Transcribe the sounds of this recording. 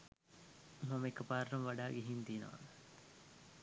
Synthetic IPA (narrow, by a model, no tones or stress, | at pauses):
mɐmekːɐpaːɾːɐmʋaɖaːɡeɦint̪iːnɐ̰ʋa̰n